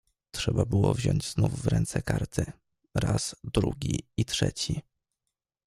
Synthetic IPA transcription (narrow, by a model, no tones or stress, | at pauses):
tʂɛbabɘwɔvʑɔɲd͡ʑznufːɾɛnt̪sɛkaɾt̪ʰɘ | ɾaz̥d̪ɾuɡʲiitʂɛt͡ɕi